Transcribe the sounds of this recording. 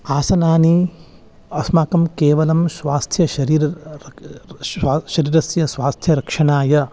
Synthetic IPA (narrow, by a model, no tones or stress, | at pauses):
aːsɐnaːni | ɐsmaːkɐmkeːʋɐlɐmsʋaːst̪ʰjɐʃɐɾiːɾɐ | ʃɐɾiːɾɐsjɐsʋaːst̪ʰjɐɾɐkʂɐɳaːjɐ